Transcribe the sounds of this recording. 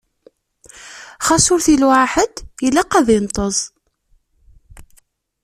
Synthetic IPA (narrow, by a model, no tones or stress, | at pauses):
χɑsʊɾθilwaħəd̪ilæqæðint̪ˤəzˤ